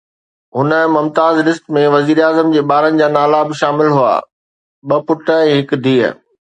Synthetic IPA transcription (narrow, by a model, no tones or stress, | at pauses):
ɦʊnəmɐmt̪aːzlɪsʈmẽʋɐziːɾaːzəmd͡ʑeːɓaːɾənɪ̆d͡ʑaːnaːlabɪʃaːmɪlɦua̰ː | ɓɐpʊʈə̆ɛ̃ːɦɪkd̪ʱiːə̰